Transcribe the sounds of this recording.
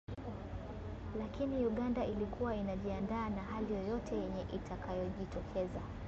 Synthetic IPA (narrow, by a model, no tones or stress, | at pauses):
lakiniuɠandailikuwainaʄiandaːnaɦalijɔjɔtʰɛjɛɲɛʔitʰakajɔʄitɔkʰɛza